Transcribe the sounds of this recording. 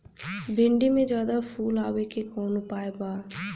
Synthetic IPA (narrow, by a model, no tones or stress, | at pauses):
bɪɳɖimẽd͡ʒjaːd̪apʰuːlaːwekekɔːnʊpaːebaː